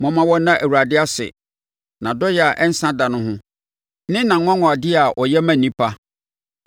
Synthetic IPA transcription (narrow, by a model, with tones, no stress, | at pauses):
mɔ̃˨mã˨wɔ˦nã˦ʔæ˨wu˨ɾa˨dɪ˦a˦sɪ̰˨ | nã˨dɔ˦jɛ˨a˨ʔɛ˦n̩˦sã˦da˨nʊ̃˦ɦʊ̃˦ | nɪ̃˦nã˨˦ŋʷ˦ã˦ŋɔ̃˨a˨dɪ˦a˨ʔɔ˨jɛ˦mã˨nĩ˦pʰa˦